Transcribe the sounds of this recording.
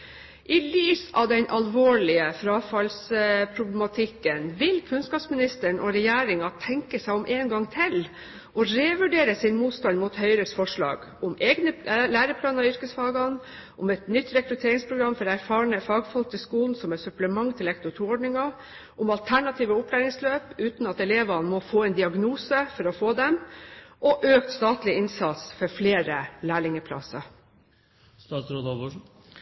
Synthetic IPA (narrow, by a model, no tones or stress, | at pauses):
ʔɪlyːsɑ̰ʋd̪ɛnʔɑlʋoːɭɪəfɾɑːfɑlspʰɾʊblɛmɑt̪ʰɪkːənʋɪlkʰʉnskɑːpsmɪnɪst̪əɳʔɔɾɛjæːɾɪŋɑt̪ʰɛŋkəsæɪɔmʔeːnɡɑŋːt̪ʰɪl | ʔɔɾeːʋʉɖeːɾəsɪnmuːt̪st̪ɑnmʊt̪hœʏɾəsfɔʂɭɑ̰ːɡ | ʊmeːɡnəlæːɾəpʰlɑːnɑʏɾkəsfɑːɡɑn | ʔʊmɛt̪nʏt̪ːɾɛkɾʉt̪ʰeːɾɪŋspʰɾʊɡɾɑmːfɔɾæɾfɑːɳəfɑːɡfɔlk̚t̪ɪskuːln̩sɔmɛsʉpləmɑŋːt̪ʰɪlɛkt̪ʊt̪ʰuːɔɖɳɪŋɑ | ʔʊmɑlt̪ʰæɳɑt̪ʰiːʋəʊpʰlæːɾɪŋsløːpʉːt̪nɑt̪ɛleːʋɑnmɔfoːɛnd̪ɪɑɡnuːsəfɔɾɔfoːd̪ɛmʔɔʔøːkt̪st̪ɑːt̪lɪɪnsɑt̪sfɔɾfleːɾəlæːɭɪŋəpʰlɑ̰sɑ̰ɾ | st̪ɑsɾod̪ɑ